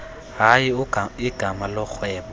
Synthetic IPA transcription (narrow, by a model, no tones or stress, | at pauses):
ɦaiʊɪɡ̥ʱamalɔk͡xʰwɛːma